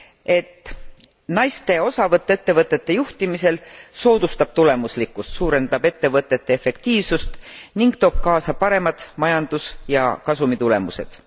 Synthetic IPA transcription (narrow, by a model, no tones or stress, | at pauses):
e̞t̪ːˑ | nɑjst̪e̞o̞sɑvɤt̪ːˑeet̪ːe̞vɤt̪ːˑe̞t̪ːe̞juht̪imise̞lso̞ːd̪̥ust̪ɑb̥̚t̪ule̞muslikːˑust̪suːɾe̞nd̪̥ɑbe̞t̪ːe̞vɤt̪ːˑe̞t̪ːeefe̞kt̪iːvsust̪niŋɡ̥t̪o̞ːb̥̚kɑːsɑpɑɾe̞mɑd̪̥mɑjɑnd̪̥usjɑ̰kɑsumit̪ule̞muse̞d̪̥